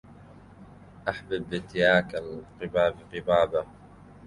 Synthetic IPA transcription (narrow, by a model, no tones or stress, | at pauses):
ʔaħbɪbːɪt̪ɪjaːkalqɨbaːbqɨbaːba